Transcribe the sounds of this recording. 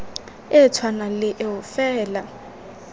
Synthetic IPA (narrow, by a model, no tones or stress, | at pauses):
ɪt͡sʰwanalɪʔɪʊfɛːla